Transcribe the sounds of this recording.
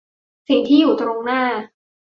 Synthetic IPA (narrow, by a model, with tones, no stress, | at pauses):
si˨˩ŋt̪ʰiː˥˩juː˨˩t̪ɾo˧ŋnaː˥˩